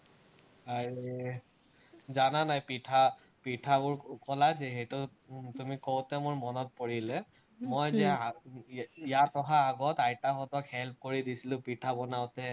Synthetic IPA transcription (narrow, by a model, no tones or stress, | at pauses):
aɹi | zananajpitʰa | pitʰabʊɹkɔlazɛɦejtʊ | tumikowtɛmʊɹmɔnɔt̚poɹilɛ | mojzɛa | ijatɔɦaːɡɔtajtaxɔtɔkhɛlp̚ʰkoɹidisilʊ̃pitʰabɔnaʊtɛ